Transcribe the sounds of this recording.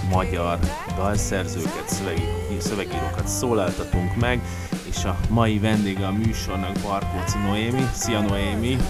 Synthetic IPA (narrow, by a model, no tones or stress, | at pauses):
mɒɟɒr | d̪ɒlsɛrzøːkɛt̪søɛɡisøvɛɡiːɾokɒt̪soːlaːlt̪ɒt̪uŋkmɛɡ | eːʃɒmɒjivɛnd̪eːɡɛɒmyːʃo̞rnɒɡbɒrkoːt̪sinoeːmisiɒnoeːmi